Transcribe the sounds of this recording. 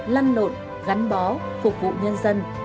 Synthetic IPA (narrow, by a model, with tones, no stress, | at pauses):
laː˧nlo̰˧˨n | ɣa˨˦nɓɔ˨˦ | fʊ˨˩k͡p̚vṵ˧˨ɲə˧nzə˧n